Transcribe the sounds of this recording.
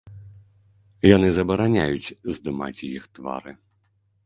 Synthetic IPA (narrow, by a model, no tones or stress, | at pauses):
jan̪ɨzɐbɐɾanʲajut͡sʲzd̪ɨma̰t͡sʲjixt̪va̰ɾɨ